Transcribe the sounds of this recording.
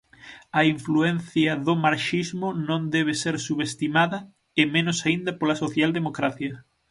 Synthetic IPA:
ɐiɱfluɛnθjɐðomaɾʃizmʊnõnd̪ɛβ̞eseɾsuβest̪imaðɐ | ɪmẽnosaind̪ɐpolɐsoθjald̪emokɾaθjɐ

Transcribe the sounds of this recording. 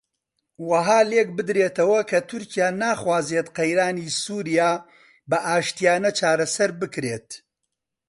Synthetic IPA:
wɐɦaːlek̚bɨd̪ɾeːt̪ɐwɐkʰɐt̪ʰʊɾcijaːnaːχwaːzeːt̪qɐjɾaːniːsuːɾijaː | bɐʔaːʃt̪ijaːnɐt͡ʃaːɾɐsɐɾbɨkɾeːt̪

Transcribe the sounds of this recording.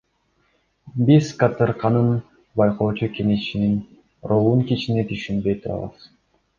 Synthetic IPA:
bizkat̪ɯɾqɑnɯn | bɑjqoːt͡ʃukeŋeʃinin | rolˠuŋkit͡ʃinet̪yʃynbøjt̪uɾɑ̰lˠɑ̰s

